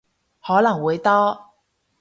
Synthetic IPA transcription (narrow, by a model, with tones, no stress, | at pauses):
hɔ˨˥la˨˩ŋwe˨˥ɪt̪ɔ˥˦